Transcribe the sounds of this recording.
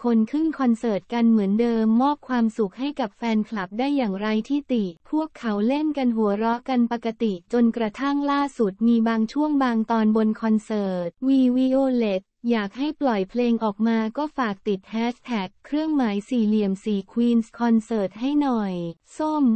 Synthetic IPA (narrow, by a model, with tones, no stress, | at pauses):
kʰo˧nkʰɯ˥˩ŋkʰɔ˧nsɤː˨˩t̪̚ka˧nmɯ˩˦əndɤː˧mːɔː˥˩p̚kʰwaː˧msu˨˩k̚ha˥˩jka˨˩p̚fɛː˧nkʰla˨˩p̚daː˥˩jːaː˨˩ŋɾa˧jt̪ʰiː˥˩t̪i˨˩pʰu˥˩əkʰːa˩˦wle˥˩nka˧nɦu˩˦ɐɾɔ˦˥ʔka˧npa˨˧ka˧t̪i˨˩t͡ɕo˧nkɾa˧t̪ʰa˥˩ŋlaː˥˩su˨˩t̪̚miː˧baː˧ŋt͡ɕʰu˥˩əŋbaː˧ŋt̪ɔː˧nbo˧nkʰɔ˧nsɤː˨˩t̪̚wiː˧wiː˧ʔoː˧le˦˥k̚jaː˨˩k̚ha˥˩jplɔ˨˩jpʰleː˧ŋʔɔː˨˩k̚maː˧kɔː˥˩faː˨˩k̚t̪i˨˩t̪̚hʰɛː˦˥st̪ʰɛ˨˩kʰːɾɯ˥˩əŋmaː˩˦jsiː˨˩li˨˩əmsiː˨˩kʰwiː˧nskʰɔ˧nsɤː˨˩t̪̚ha˥˩jnɔ˨˩j | so˥˩m